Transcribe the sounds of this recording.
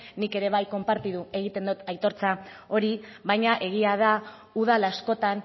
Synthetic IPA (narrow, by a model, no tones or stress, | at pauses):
nike̞ɾe̞β̞ajko̞mpaɾt̪iðue̞ɣ̞it̪e̞nd̪ot̪ajt̪o̞ɾt͡sao̞ɾiβajɲaʔe̞ɣ̞iaða | uð̞alasko̞t̪an